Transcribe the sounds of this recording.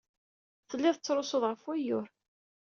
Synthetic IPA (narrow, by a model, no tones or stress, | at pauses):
θəlːɪðˤət͡sːɾosʊðˤʁəfwæjʊɾ